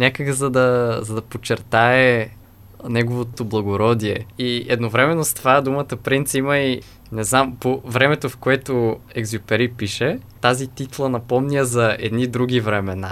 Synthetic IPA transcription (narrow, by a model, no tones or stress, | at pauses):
nʲakəɡzɐd̪ɐzɐd̪ɐpot͡ʃːɛɾt̪aɛ | nɛɡovot̪oblˠɐɡoɾɔd̪iɛiɛd̪novɾɛmɛnːost̪vad̪umət̪əpɾint̪siməi | nɛznampovɾɛmɛt̪ofkoɛt̪oɛɡzʲjupɛɾipiʃɛt̪azit̪it̪lˠənɐpɔmnʲiəzɐɛ̰d̪nid̪ɾuɡ̟ivɾɛmɛna̰